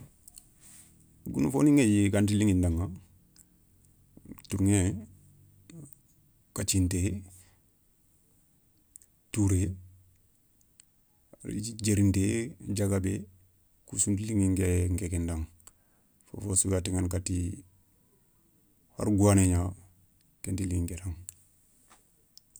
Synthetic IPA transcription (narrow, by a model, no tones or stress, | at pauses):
ɡunufoniŋejiɡantiliŋindaŋa | tuɾŋe | kat͡ʃinte | tuɾe | a̰ɾid͡ʒeɾinted͡ʒaɡabe | kusuntliŋiŋɡeŋkekendaŋ | fo̰fosuɡatiŋankati | ha̰ɾɡuaneɲa | kentiliŋɡeɾaŋ